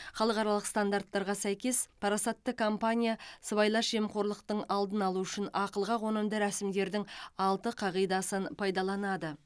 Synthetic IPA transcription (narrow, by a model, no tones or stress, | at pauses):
χɑlˠəqɑɾɑlˠəqst̪and̪aɾt̪ːɑɾʁɑsæjkʲe̞spʰɑɾɑsɑt̪ːəkʰompanʲijasəβɑjlˠɑʃe̞mqʰo̞ɾlˠəq̚t̪əɴɑlˠd̪ənɑlˠuʏʃɪnɑqəlˠʁɑʁo̞nəmd̪əɾæsɪmd̪e̞ɾd̪ɪŋɑlˠt̪əqʰɑʁijd̪ɑsənpʰɑjd̪ɑlˠɑnɑd̪ə